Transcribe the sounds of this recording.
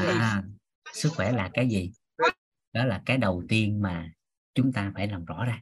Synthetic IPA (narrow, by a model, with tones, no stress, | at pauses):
ʔaː˨˩ | sɨ˦˥k̚xwɛ˧˩laː˨˩kaː˨˦jzi˨˩ | ɗɔ˨˦laː˨˩kaː˨˦jɗə˨˩wt̪i˧ənmaː˨˩ | t͡ɕʊ˨˦ŋ͡mt̪aː˧faː˧˩jlaː˨˩mzɔ̰˧˥zaː˧˩